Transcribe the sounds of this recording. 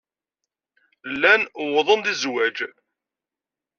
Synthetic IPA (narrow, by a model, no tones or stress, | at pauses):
lːænwðˤənd̪izwæd͡ʒ